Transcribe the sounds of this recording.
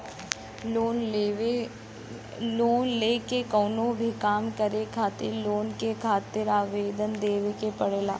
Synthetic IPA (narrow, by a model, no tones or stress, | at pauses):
oːn | loːnleːkekɔːnõbʱikaːmkəɾekʰaːt̪ɪɾloːnkekʰaːt̪ɪɾaːʋeːd̪ənd̪eːʋekepɐɽeːla̰ː